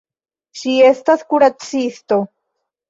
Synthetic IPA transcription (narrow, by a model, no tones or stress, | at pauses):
ʃie̞st̪askuɾat͡sist̪o